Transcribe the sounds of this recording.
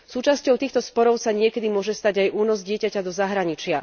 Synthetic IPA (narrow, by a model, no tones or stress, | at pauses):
suːt͡ʃascɔʊt̪iːxt̪ɔspɔɾɔʊsaɲɪɛkɛd̪imʊɔʒɛst̪aɟajʔuːnɔzɟɪɛcacad̪ɔzaɦɾaɲit͡ʃɪa